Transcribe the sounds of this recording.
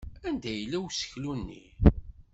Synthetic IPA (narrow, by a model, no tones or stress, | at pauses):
ænd̪æjəlːæwsə̥çlunːḭ